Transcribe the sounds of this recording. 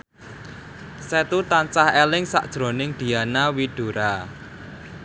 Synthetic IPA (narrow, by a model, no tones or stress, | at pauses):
sɛt̪ut̪ant͡ʃahɛlɪŋsa̰ʔd̥ʒ̥ɾo̤nɪŋd̪̥i̤janawiɖ̥o̤ɾa